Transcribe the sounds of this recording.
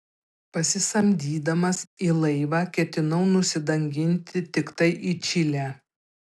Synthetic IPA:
pɐsʲɪsɐmʲd̪ʲiːd̪ɐmɐsiːlˠɐɪʋɑːkʲɛt̪ʲɪnɐʊnʊsʲɪd̪ɐŋʲɡʲɪnʲt̪ʲɪt̪ʲɪkt̪ɐɪʔiːt͡ʃʲɪlʲæː

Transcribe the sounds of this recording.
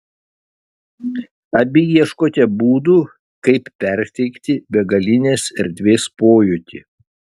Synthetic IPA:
ɐbʲɪjiɛʃkoːt̪ʲɛbuːd̪uː | kɐɪppʲɛɾʲt̪ʲɛɪkt̪ʲɪbʲɛɡɐlʲɪnʲeːsɛɾʲd̪ʲʋʲeːspoːjʊt̪ʲḭ

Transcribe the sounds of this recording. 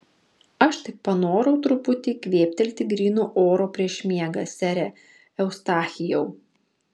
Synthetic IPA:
ɐʃt̪ɪk̚pɐnoːɾɐʊt̪ɾʊpʊt̪ʲɪkʋʲeːpʲt̪ʲɛlʲt̪ʲɪɡɾʲiːnuːʔoːɾoːpʲɾʲiɛʃmʲiɛɡɐsʲæɾʲɛ | ɛʊst̪ɑːxʲɪjɛʊ

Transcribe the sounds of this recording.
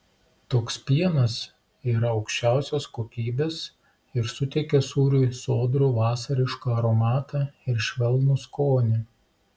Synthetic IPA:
t̪oːkspʲiɛnɐs | iːɾɐɒʊkʃʲt͡ʃʲæˑʊsʲoːskoːkʲiːbʲeːs | ɪɾsʊt̪ʲɛɪkʲɛsuːɾʲuɪsoːd̪ɾuːʋɑːsɐɾʲɪʃkɐɐɾoːmɑːt̪ɑɪɾʃʲʋʲɛlˠnʊskoːnʲɪ

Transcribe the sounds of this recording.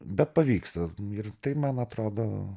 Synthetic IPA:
bʲɛt̪̚pɐʋʲiːkst̪ɐɪrt̪ɐɪmɐnɐt̪ɾoːd̪oː

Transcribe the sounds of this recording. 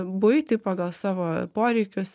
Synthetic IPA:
bʊɪt̪ʲɪpɑːɡɐlˠsɑːʋoːpoːɾʲɛɪkʲʊs

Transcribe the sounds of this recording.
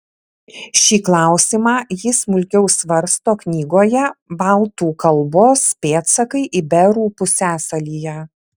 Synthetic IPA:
ʃʲiːklˠɑˑʊsʲimɑːjɪsmʊlʲkʲɛʊsʋɐɾst̪oːknʲiːɡoːjɛbɐlˠt̪uːkɐlˠboːspʲeːt̪sɐkɐɪʔɪbʲɛɾuːpʊsʲæːsɐlʲiːjɛ

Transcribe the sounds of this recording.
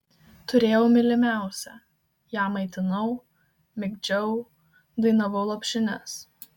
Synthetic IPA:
t̪ʊɾʲeːjɛʊmʲɪlʲɪmʲæˑʊsʲɛ | jæːmɐɪt̪ʲɪnɐʊ | mʲɪɡʲd͡ʒʲɛʊ | d̪ɐɪnɐʋɐʊlˠɐpʲʃʲɪnʲɛs

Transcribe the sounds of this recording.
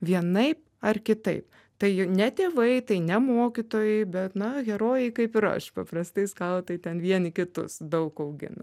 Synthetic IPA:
ʋʲiɛnɐɪp̚ | ɐrkʲɪt̪ɐɪp | t̪ɐɪjnʲɛt̪ʲeːʋɐɪt̪ɐɪnʲɛmoːkʲɪt̪oːjɛɪbʲɛt̪nɐɡʲɛɾoːjɛɪkɐɪpɪɾɐ̰ʃpɐprɐst̪ɐɪskɑlˠt̪ɐɪt̪ʲɛnʋʲiɛnʲɪkʲɪt̪ʊ̰sd̪ɐʊkɐʊɡʲɪ̰nɐ

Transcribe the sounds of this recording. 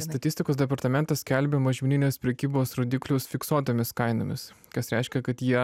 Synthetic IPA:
sst̪ɐt̪ʲɪsʲt̪ʲɪkoːsd̪ʲɛpɐɾt̪ɐmʲɛnt̪ɐsʲkʲɛlʲbʲemɐʒʲmʲɪnʲɪnʲeːspʲɾʲɛkʲiːboːsɾoːd̪ʲiːklʲʊsfʲɪksoːt̪oːmʲɪskɐɪno̰mʲɪ̰skɐsɾʲɛɪʃʲkʲɛkɐt̪jiɛ

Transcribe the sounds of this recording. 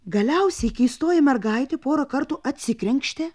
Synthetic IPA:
ɡɐlʲɛʊsʲɛkʲɪiːst̪oːjɛmʲɛɾɡɐɪt̪ʲepoːɾɐkɐɾt̪uːʔɐt̪ʲsʲɪkɾʲɛŋʲkʃʲt̪ʲe

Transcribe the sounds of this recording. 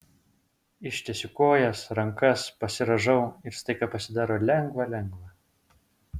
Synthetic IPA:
ɪʃʲt̪ʲɛsʲʊkoːjɛsɾɐŋkɐspɐsʲɪɾɐʒɐʊɪɾst̪ɐɪkɐpɐsʲɪd̪ɑːɾoːlʲɛŋɡʋɐlʲɛŋɡʋɐ

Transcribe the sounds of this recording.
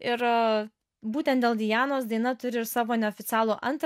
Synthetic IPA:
ɪɾ | buːt̪ʲɛnt̪d̪ʲeːlˠd̪ʲɪjæːnoːsd̪ɐɪnɐt̪ʊɾʲɪɪɾsɑːʋoːnʲɛoːfʲɪt̪sʲæːlˠoʔɐnt̪ɾ

